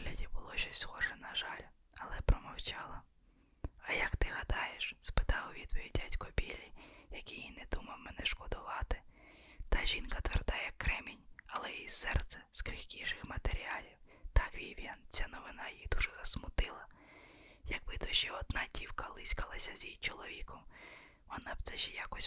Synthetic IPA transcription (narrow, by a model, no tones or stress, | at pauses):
lʲɐdʲibʊlˠɔʃɔsʲsxɔʒɛnɐʒɑlʲ | ɐlˠɛpɾɔmɐwt͡ʃɑlˠɐ | ɐjɐkt̪ɪɦɐd̪ɑjeʃspɪt̪ɑʊʋʲid̪pɔʋʲid̚ʲdʲatʲkɔbʲilʲːijɐkʲijinɛd̪umɐwmɛnɛʃkɔd̪ʊʋɑt̪ɪ̥ | t̪ɑʒʲinkɐt̪ʋɛrd̪ɑjɛkːɾɛmʲinʲɐlˠɛisɛrt̪sɛ̥skɾʲixkʲijʃɪxmɐt̪eɾʲialʲiwt̪ɑkʋʲiʋʲjant͡sʲanɔʋɪnɑjid̪uʒɛzɐsmʊt̪ɪlˠɐ | jɐk̚bɪt̪ɔʃɛɔd̪̚nɑdʲiwkɐlˠɪsʲkɐlˠɐsʲɐzʲjijt͡ʃɔlˠɔʋʲikɔm | ʋɔnɑbt̪sɛʃɛjakɔsʲ